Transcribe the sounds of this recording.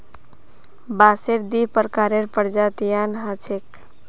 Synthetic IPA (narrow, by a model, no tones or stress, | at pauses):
baseɾd̪ipəɾkaɾeɾpəɾd͡ʒat̪ijanɦat͡ʃʰek